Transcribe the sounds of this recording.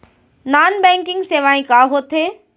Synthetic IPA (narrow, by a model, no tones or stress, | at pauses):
naːnbɛ̃ːŋkɪ̃ŋɡseːʋaːĩkaːɦoːt̪ʰeː